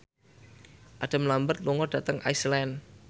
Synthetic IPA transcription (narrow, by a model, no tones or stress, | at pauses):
ʔad̥a̤mlambət̪̚luŋɔda̤t̪əŋʔaislɛn